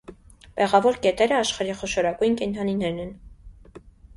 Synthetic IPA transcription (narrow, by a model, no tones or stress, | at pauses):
pɛʁɑvɔɾkɛt̪ɛɾəɑʃχɑɾiχɔʃɔɾɑkujnkɛnt̪ʰɑninɛɾnɛn